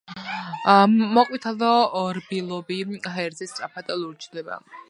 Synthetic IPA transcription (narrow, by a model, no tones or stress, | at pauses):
mɔqʼwit̪ʰalɔːɾbilˠɔbiɦɛɾzɛst̪sʼapʰat̪ʼɛluɾt͡ʃʰlɛba̰